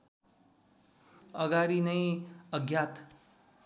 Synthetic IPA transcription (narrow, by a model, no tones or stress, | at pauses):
ʌɡaɾinʌjʌɡjat̪